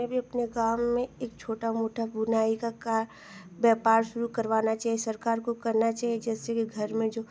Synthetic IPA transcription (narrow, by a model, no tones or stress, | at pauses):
ebʱiɐpneɡaːmːẽeːkt͡ʃʰoːʈamoːʈʰabʊnaːikakaːɾ | bɛːpaːɾʃʊɾukɐɾʋaːnat͡ʃaːɦiesɐɾkaːɾkokɐɾnat͡ʃaːɦied͡ʒɛːsekiɡʱɐɾmẽd͡ʒoː